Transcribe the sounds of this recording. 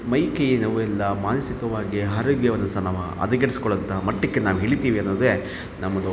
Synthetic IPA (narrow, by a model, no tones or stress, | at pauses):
mɐjkejinɐʋuɛlːɐmaːnɐsikɐʋaːɡiɦaːɾoɡjɐʋɐnːɐsaːnaːʋu | ɐ̰d̪ɐɡɐɽisi̥kɔɭɐnt̪ɐmɐʈːikːenaːʋuɦeːɭit̪iːʋiɐnːoːd̪e | nɐmːɐd̪u